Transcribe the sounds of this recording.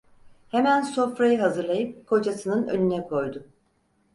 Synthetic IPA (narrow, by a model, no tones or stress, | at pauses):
he̞mænso̞fɾajɯɦazɯɾlˠajɯp̚kʰo̞d͡ʒasɯnɯnø̰nynɛkʰo̞jd̪ʊ